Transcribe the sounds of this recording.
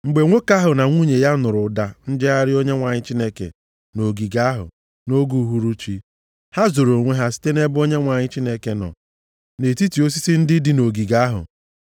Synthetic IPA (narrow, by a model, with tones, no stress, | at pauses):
ŋ͡m̩˨ɡ͡be˨ŋʷo˦ka˦ɦʊ˨na˨ŋʷu˦ɲe˨ja˦nʊ˨ɾʊ˨da˨n̩˦d͡ʒɪ˦a˦ɾɪ˦o˦ɲe˦ŋʷa˨ɲɪ˦t͡ʃi˦ne˦kḛ˨ | no˨ɡi˨ɡa˦ɦʊ̰˨ | no˦ɡu˦ɦu˦ɾu˦t͡ʃi˦ | ha˦zo˨ɾo˨ŋʷe˦ɦa˦si̥˦te˦ne˦bʊ˦o˦ɲe˦ŋʷa˨ɲɪ˦t͡ʃi˦ne˦ke˦nɔ̰˨ | ne˨ti˦ti˨o˦s̬i˦si˦n̩˦dɪ˦dɪ˦no˨ɡi˨ɡa˦ɦʊ̰˨